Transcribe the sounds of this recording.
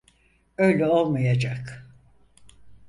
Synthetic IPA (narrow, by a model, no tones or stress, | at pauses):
øjlʲɛo̞lˠmajad͡ʒak